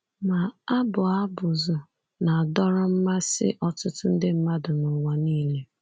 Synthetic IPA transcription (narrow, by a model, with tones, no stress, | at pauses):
ma˨a˦bʊ˨a˦bʊ˨zʊ˨ | na˨dɔ˦ɾʊ˦m̩˦ma˦sɪ̰˦ʔɔ˦tʊ˦tʊ˦n̩˦dɪ˦m̩˦ma˦dʊ˨nʊ˨wa˨niː˦˨le˦